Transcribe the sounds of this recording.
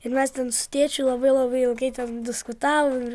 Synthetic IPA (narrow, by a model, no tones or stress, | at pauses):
ɪɾmʲɛst̪ʲɛnsʊ̥t̪ʲiɛt͡ʃʲʊlˠɐbɐɪlˠɐbɐɪɪlˠɡɐɪt̪ʲɛnd̪ʲɪskʊt̪ɑːʋomɪɾ